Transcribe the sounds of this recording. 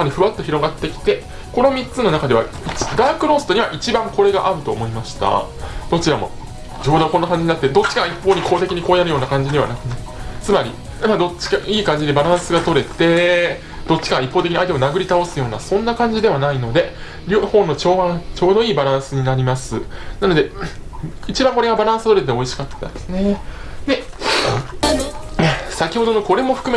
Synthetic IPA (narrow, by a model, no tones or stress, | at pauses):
maɾʲiɸɯ̟βat̪ːo̞çiɾo̞ɡat̪ːe̞kʲi̥t̪e̞ | ko̞no̞mʲit͡sɨno̞nakad̪e̞βa̰ | i̥d̪aːkɯ̟ɾo̞sɨ̥t̪o̞ɲ̟iβaʔit͡ɕibãŋko̞ɾe̞ɡaʔaɾɯ̟t̪o̞ːmo̞imaɕi̥t̪a̰ | d̪̥o̞t͡ɕiɾamo̞̰ | d͡ʑoːd̪okonːakãɲ̟d͡ʑiɲ̟inat̪ːed̪o̞t͡ɕːi̥kaipːo̞ːɲ̟iko̞ːt̪e̞kʲiɲ̟iko̞ːjaɾɯ̟joːnakãɲ̟d͡ʑid̪e̞β̞a̰nakɯ̟naɯt͡sɨmaɾʲḭ | mad̪o̞t͡ɕːi̥kaiːkãɲ̟d͡ʑid̪e̞baɾãɰ̃sɨɡat̪o̞ɾe̞t̪e̞ | d̪̥o̞t͡ɕːi̥kaɡaipːot̪ekʲiɲait̪emonaɡɯ̟ɾʲit̪ao̞sɨjo̞ːna̰sõ̞nːakãɲ̟d͡ʑid̪e̞βanaino̞d̪e̞ | ɾʲohõ̞nːo̞t͡ɕo̞ːβat͡ɕo̞ːd̪o̞iːbaɾãɰ̃sɨɲ̟inaɾʲimasɨnano̞d̪e̞ | it͡ɕibãŋko̞ɾe̞ɡabaɾãɰ̃sɨ̥t̪o̞ɾe̞t̪̬eo̞iɕi̥kat̪ːa̰d̪esned̪e̞ | asakʲiho̞d̪o̞no̞ko̞ɾe̞mo̞ɸɯ̟̥kɯ̟me